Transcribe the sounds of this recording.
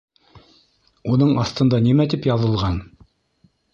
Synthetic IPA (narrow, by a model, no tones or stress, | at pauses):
unɤɴɑθt̪ɤ̆nd̪ɑnimæt̪ipjɑðɤ̆lˠʁɑn